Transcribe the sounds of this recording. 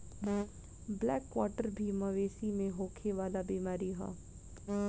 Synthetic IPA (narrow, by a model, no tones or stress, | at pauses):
blɛːkʋɔːʈəɾbʱiməʋeːsimẽɦoːkʰeʋaːlabiːmaːɾiɦɛ̰ː